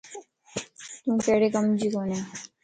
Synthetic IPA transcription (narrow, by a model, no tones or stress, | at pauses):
t̪ũːkɛːɽekɐmd͡ʒikoːnea